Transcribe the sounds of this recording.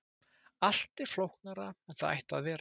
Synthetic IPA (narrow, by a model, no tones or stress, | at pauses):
al̥t̪ɪ̥flowhknaɾaɛnθaða̰jht̪a̰ðvɛːɾ